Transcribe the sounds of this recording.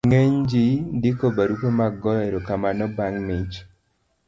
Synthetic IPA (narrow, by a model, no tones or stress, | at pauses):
ŋeɲd͡ʒidikobaɾukomaɡɔeɾokamanɔbaŋmɪt͡ʃ